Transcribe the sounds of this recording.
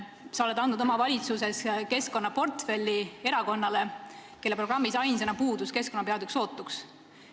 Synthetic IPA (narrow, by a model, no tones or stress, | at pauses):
sɑo̞le̞d̪ɑnd̪nud̪o̞mɑvɑlʲit̪sus̬e̞ske̞sko̞nːɑpo̞rt̪fe̞lʲːie̞ɾɑko̞nːɑle̞ke̞lːe̞pro̞ɡ̥rɑmːisɑjnse̞nɑpuːd̪uske̞sko̞nɑpe̞ɑd̪ykso̞ːt̪ːˑuks